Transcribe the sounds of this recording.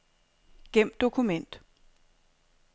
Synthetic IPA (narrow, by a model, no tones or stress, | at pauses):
ɡ̥em̰d̥o̝kʰumen̰d̥